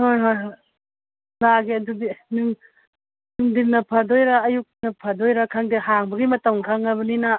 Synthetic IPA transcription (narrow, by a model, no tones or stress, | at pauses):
hojɦojɦo | laɡiɐdudinɯŋ | nɯŋdinɐpʰadojɾaːjuk̚nɐpʰadojɾakʰaŋdihaŋbɐɡimɐtɐŋkʰaŋɐβɐnina